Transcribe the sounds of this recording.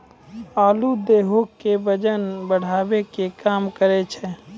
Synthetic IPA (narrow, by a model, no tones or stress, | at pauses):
aːlud̪eːɦokkːebəd͡ʒənbəɽ̤aːbekekaːmkəɾet͡ʃʰɛ